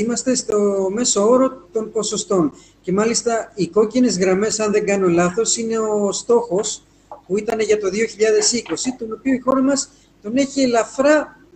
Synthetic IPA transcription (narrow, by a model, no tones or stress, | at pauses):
imɐst̪e̞st̪o̞me̞so̞oɾo̞t̪o̞mpo̞so̞st̪o̞n | ce̞mɐlist̪ɐiko̞cine̞zɣɾɐme̞sɐnðe̞ŋɡɐno̞lɐθo̞sine̞ost̪o̞xo̞s | puit̪ɐne̞ʝɐt̪o̞ðio̞çiʎɐðe̞siko̞sit̪o̞no̞pioixo̞ɾɐmɐs | t̪o̞ne̞çielɐfɾɐ